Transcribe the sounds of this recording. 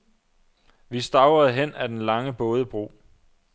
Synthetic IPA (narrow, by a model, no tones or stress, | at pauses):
ʋisd̥ɑ̈ʊɐð̩ˠɦen̰æd̥enlɑ̈ŋəb̥ɔ̽ːð̞ˠəb̥ʁo̝̰ː